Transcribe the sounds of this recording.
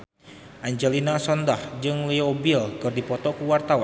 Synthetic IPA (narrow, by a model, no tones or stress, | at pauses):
ʔaɲd͡ʒɛlinasɔndahd͡ʒɨŋliobilkɨrdipɔt̪ɔkuwart̪awa